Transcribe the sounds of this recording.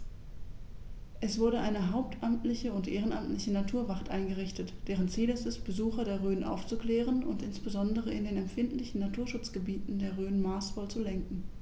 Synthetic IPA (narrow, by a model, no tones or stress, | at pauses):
ʔɛsv̥ʊɐɾəʔaɪnəɦaʊp̚tʰʔamtlɪçəʊntʔeːʁ̞ənʔamtlɪçənatʰuːɐvaʁtʔaɪnɡəʁ̞ɪçtətd̥eːʁ̞ənt͡siːlɛstɛst̚b̥əzuːxɐdeːɐʁøːnʔa̰ʊft͡sukl̥ɛːʁ̞ənʊntʔɪnsb̥əzɔndəʁ̞əɪndeːnɛmfɪntlɪçn̩natʰuːɐʃʊt͡sɡ̥əbiːtn̩deːɐʁøːnmaːsfɔlt͡sulɛŋkŋ̩